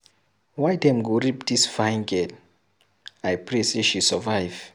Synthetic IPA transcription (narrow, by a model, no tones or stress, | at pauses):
wajdɛ̃mɡoɹipdisfajnɡɛd | ajpʰɹeseʃisɔvajv